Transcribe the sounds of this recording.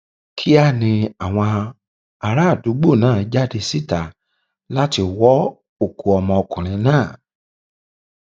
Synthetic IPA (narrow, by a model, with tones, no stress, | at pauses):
kʰi˦a˦nĩ˧a˨w̃ɔ̃˧ | a˧ɾa˦˨du˨˦ɡ͡bo˦˨nãː˦˨˦d͡ʒa˦˨de˧si˦˨ta˨ | la˦ti˧˨wɔ˦ | o˦˨kʰu˨ɔ˧mɔ̃˧o˧kũ˨ɾ̃ĩ˧nãː˦˨